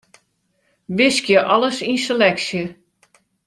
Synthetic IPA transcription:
ʋɪskjəʔɔləsinselɛksjə

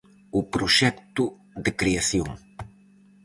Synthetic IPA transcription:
upɾʊʃɛk̚t̪ʊ | ðɨkɾiɐsjõ̰ŋ

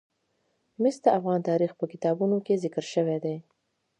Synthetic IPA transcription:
mɪs̚d̪əafɣɑnt̪ɑɾixpəkɪt̪ɑbunokezɪkəɾʃəwed̪e

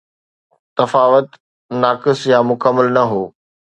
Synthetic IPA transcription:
t̪ɐfaːʋət̪ | naːkɪsjaːmʊkəmːəlnɐɦoː

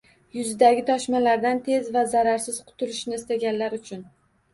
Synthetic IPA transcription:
jʊzɪd̪aɡʲɪt̪ʰɒʃmalaɾd̪ant̪ʰe̞zvazaɾaɾsɪz̥qʰʊ̥t̪ʰʊlɪʃnɪːst̪aɡʲanlaɾʊt͡ʃʰʊn

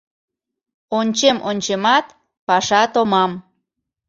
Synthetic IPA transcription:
onʲt͡ɕemʔonʲt͡ɕemɑt̪ | pɑʃɑt̪omɑm

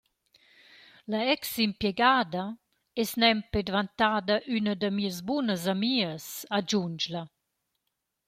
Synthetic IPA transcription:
laɛksimpjɛɡaːd̪ə | ɛsnɛmped̪vant̪aːd̪əʔynəd̪əmiəzbunəz̬amiəsad͡ʒund͡ʒlə

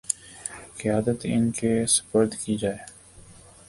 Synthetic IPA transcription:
kɪjaːd̪ət̪ɪ̰nkesə̥fəɾd̪kid͡ʒaːeː

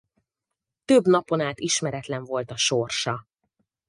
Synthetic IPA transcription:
t̪øbnɒpo̞naːt̪iʃmɛɾɛt̪lɛɱvo̞lt̪ɒʃorʃɒ

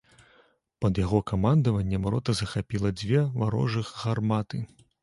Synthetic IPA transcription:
pɐd̪jaɣɔkamand̪ɐvɐnʲːɛmɾɔt̪ɐzɐxapʲilˠɐd͡zʲvʲɛvaɾɔ̰ʐɨxːarmat̪ɨ

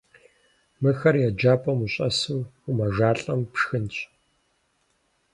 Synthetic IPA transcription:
mɨxɐrjɛd͡ʒaːpʼɐmuɕʼɐ̰suːumɐʒaːɬʼɐmpʂxɨnt͡ɕʼ

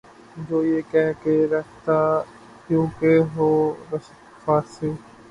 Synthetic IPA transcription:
d͡ʒoːjeːkɛːkeɾəkʰt̪aː | kjũːkeɦoːɾəʃ | faːseː

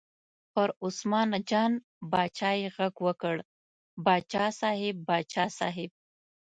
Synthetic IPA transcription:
pəɾʊsmɑnad͡ʒɑn | bɑt͡ʃɑeɣaɡwəkəɽ | bɑt͡ʃɑsɑɦɪbːɑt͡ʃɑːsɑ̰ɦɪb̚

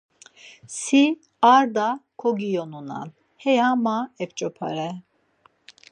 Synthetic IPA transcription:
si | aɾd̪akʰɔɡijɔnuna̰n | hɛjamaɛpt͡ʃʼɔpʰa̰ɾɛ

